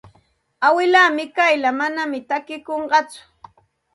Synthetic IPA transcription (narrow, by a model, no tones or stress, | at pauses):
awɪlaːmɪkajlamanamɪt̪akɪkoɴɢɑt͡sʊ̥